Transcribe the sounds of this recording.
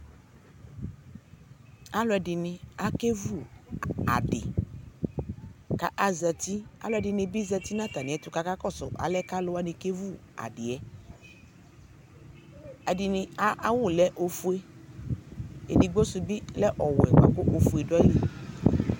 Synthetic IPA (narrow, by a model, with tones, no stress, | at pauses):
a˦lʊ˦ɛ˧˨dɪ˨nĩ˧a˨ke˦vu˦˨a̰˨dɪ̰˨ | ka˨ʔa˨zɛ˧ti˦a̰˦lʊ˦ɛ˧˨dɪ˧˨nĩ˧bi˦zɛ˧ti˦na˦˨ta˨nĩ˨ɛ˨˦tʊ˨˦ka˧˦ka˦kɔ˦˨sʊ̰˨ʔa̰˨lɛ˦ka˦lʊ˧˦a˦nĩ˧ke˦vu˦˨a̰˨dɪ˨ɛ˨˦ | ɛ˨dɪ˨nĩ˧a˦a˦wʊ˦˨lɛ˦ʔo˧fu˦e˦ | ḛ˨di˨ɡ͡bo˦su˧bi˦lɛ˦ʔɔ˨wɛ˨k͡pa˨ko˦ʔo˧fu˨e˨dɔ˦i˦li˨